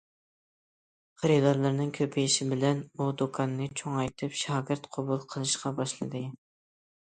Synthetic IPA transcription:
χəɾɨd̪ɑɾlˠɨɾnɨŋkʲʰøpʰɪiʃɪbɪlɛnud̪okʰɑnːɨt͡ʃʰoŋɑjt̪ʰɨpʃɑːɡʲɪɾt̪qʰɑbulˠqʰəlˠɨʃqʰɑbɑʃlˠɨ̰d̪ɨ

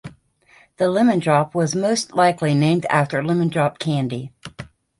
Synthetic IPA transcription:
ðəlɪ̃mɨ̃ndɹɑp̚wʌzmoʊstˡlaɪkʰlinẽɪ̃mdæ̰ftə˞lɪ̃mɨ̃ndɹɑp̚kʰæ̃ndi

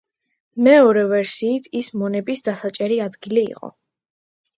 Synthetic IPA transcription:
mɛɔɾɛvɛɾsiːt̪ʰismɔnɛbisd̪asat͡ʃʼɛɾiad̪ɡiliḭqʼɔ̰

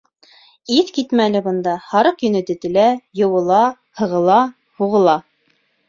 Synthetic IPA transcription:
iθkit̪mælɘbɤ̆nd̪ɑhɑɾɤqjɵ̆nɘ̆t̪ɘ̆t̪ɘ̆læjɤ̆wɤ̆lˠɑ | hɤ̆ʁɤ̆lˠɑ | huʁɤ̆lˠɑ

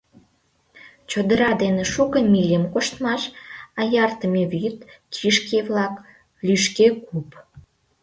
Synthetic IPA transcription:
t͡ɕod̪əɾɑd̪eneʃukəmilʲəmkoʃt̪mɑʃɑjɑrt̪əmeβyt̪kʰiʃkeβlɑk | lyʃkekup

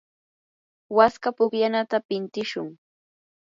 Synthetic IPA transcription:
waskapʊkjanat̪apɪnt̪ɪʃʊŋ

